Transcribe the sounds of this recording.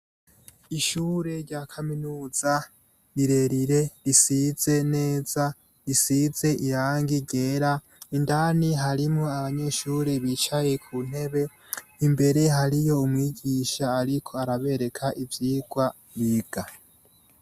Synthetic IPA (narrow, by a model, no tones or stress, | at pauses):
iʃuːɾe̞ɾɟakʰaminuːz̥a | ɾiɾe̞ɾiɾe̞ɾisiz̥e̞ne̞ːz̥a | ɾisiz̥e̞ʔiɾaːŋɡiɡeːɾa | indaːniɦaɾimŋo̞aβaɲe̞ʃuːɾe̞βit͡ʃaje̞kʰun̥e̞βe̞ | imbe̞ɾe̞ɦaɾijo̞umwiːɟiʃaːɾikʰo̞aɾaβe̞ɾe̞kʰaʔivjiːɡ̥wa | βiɡ̥a